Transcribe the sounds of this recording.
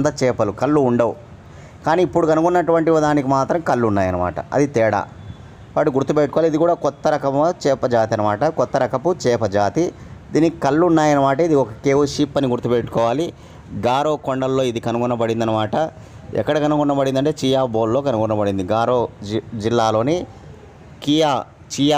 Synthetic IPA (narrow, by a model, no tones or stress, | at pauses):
d̪ɐt͡ʃɛːpɐlukɐlːuːɳɖɐu | kaːniːipːuɽukɐnukunːɐʈuʋɐɳʈiʋɐd̪aːnikimaːt̪ɾɐmkɐlːunːaːjɐnɐma̰ːʈɐ̰ɐ̰d̪it̪ɛːɽa̰ː | paʈuɡuɾt̪ːupeʈukɔːʋalid̪ikuːɽaːkɔt̪ːɐɾɐkɐmɐt͡ʃɛːpɐd͡ʒaːt̪iɐnɐmaːʈɐkɔt̪ːɐɾɐkɐput͡ʃɛːpɐd͡ʒaːt̪i | d̪iːnikɐlːunːaːjɐnɐmaːʈɐid̪iɔkɐkeːʋuʃiːpːɐniɡuɾt̪ːupeʈːu̥kɔːʋaːli | ɡaːɾoːkoɳɖɐlːo̞ːid̪ikɐnukɔnːɐbɐɽind̪ɐnɐmaːʈɐ | ɛ̰kːɐɽɐkɐnukɔɳːɐbɐɽind̪ɐɳʈeːt͡ʃiːjaːboːlːo̞ːkɐnukɔɳːɐbɐɽind̪iɡaːɾoːd͡ʒilːaːlo̞ːni | kijaː | t͡ʃija